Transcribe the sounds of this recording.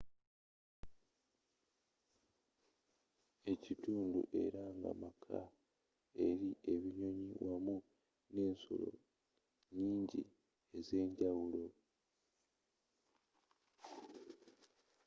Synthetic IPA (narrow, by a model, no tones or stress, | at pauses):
e̞cituːndṵʔe̞ɾaŋɡa̰makʰa̰ | e̞ɾiʔe̞βiɲo̞ɲiwʔamu | ne̞ːnso̰lo̞̰ | ɲiːɲɟḭ | e̞ze̞ːɲɟawulo̞